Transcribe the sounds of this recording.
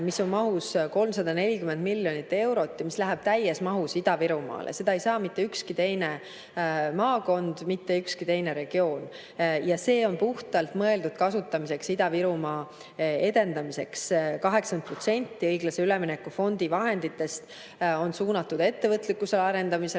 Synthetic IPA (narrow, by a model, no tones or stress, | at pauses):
miso̞nmɑɦusko̞lmsɑd̪ɑne̞lʲikyme̞nd̪milʲːjo̞nʲit̪ːe̞wɾo̞t̪ːjɑmislæɦæb̥̚t̪æjːesmɑɦusid̪̥ɑviɾumɑ̰ːlʔḛse̞d̪ɑejsɑːmit̪ːe̞ykskit̪e̞jne̞ | mɑːko̞nd̪̥mit̪ːe̞ykskit̪e̞jne̞ɾe̞ɡ̥io̞ːn | jɑse̞ːo̞npuht̪ɑlt̪mɤe̞ld̪ud̪̥̚kɑsut̪ːˑɑmise̞ksid̪̥ɑviɾumɑ | e̞d̪e̞nd̪ɑmise̞kskɑɦe̞ksɑnd̪̚pro̞t̪se̞nʲt̪ːiɤjɡlɑse̞ylemine̞kːˑufo̞nd̪̥ivɑɦe̞nd̪it̪ːˑe̞st̪ | o̞nsuːnɑt̪ːud̪̥e̞t̪ːe̞vɤt̪ːˑlikːˑuselɑɾe̞nd̪ɑmise